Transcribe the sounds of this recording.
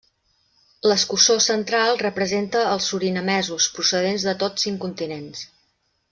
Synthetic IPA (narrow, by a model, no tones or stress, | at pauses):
ləskusosənt̪ɾalˠrəpɾəzent̪əːlˠsːuɾinəmɛzuspɾusəð̞enzðət̪osiŋkunt̪inens